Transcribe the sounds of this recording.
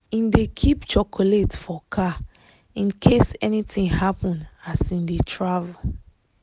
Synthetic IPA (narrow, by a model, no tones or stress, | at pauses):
ĩndekʰipt͡ʃɔkʰoletfɔkʰa | ĩnkʰesɛnitɪ̃ŋhapə̃nasĩndetʰɹavəl